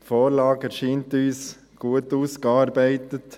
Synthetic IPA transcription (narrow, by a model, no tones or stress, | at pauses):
tfoːɾlɑːɡɛɾʃiːntyːs | ɡ̥uətuːskɑːɾbɛɪtət